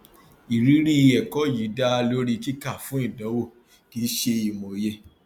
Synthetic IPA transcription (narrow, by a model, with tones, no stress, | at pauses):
i˨ɾi˨˦ɾi˦˧ɛ˨kɔ˨˦ji˨˦da˦˧lo˦ɾi˧ki˦ka˦˨fũ˨˦i˦˨dã˨˦wo˦˨ | ki˨˦ʃe˧i˨mo˨˧je˧